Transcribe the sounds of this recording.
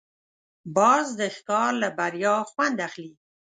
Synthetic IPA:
bɑzd̪əxkɑɾlabaɾjɑxwand̪axli

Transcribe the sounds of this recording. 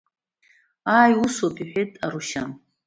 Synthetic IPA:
aːjusopʰʼiħʷᶣejtʼaɾuʃan

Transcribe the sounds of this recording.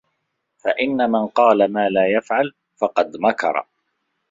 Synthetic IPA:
faʔɪnːamanqɑːlamaːlaːjafʕal | fɑqɑd̪makɑ̰ɾˤ

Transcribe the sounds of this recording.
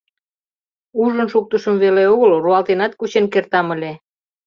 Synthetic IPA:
uʒənʃuk̚t̪əʃəmβeleoɣəlruɑlt̪enɑt̪̚kut͡ɕenkert̪ɑməlʲe

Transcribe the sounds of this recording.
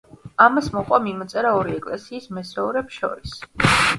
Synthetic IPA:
amasmɔqʼwamimɔt̪sʼɛɾaɔɾiɛkʼlɛsiːsmɛsɛuɾɛpsʃɔ̰ɾis

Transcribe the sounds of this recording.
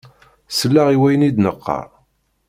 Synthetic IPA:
səlːaʁiwæjənid̪nəqʰːɑ̰ɾ

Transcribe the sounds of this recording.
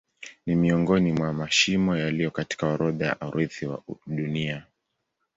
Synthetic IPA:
nimiɔŋɡɔnimwamaʃimɔjalijɔkati̥kaɔɾɔðaja̰ʔaɾʔiθiwa̰ɗunia

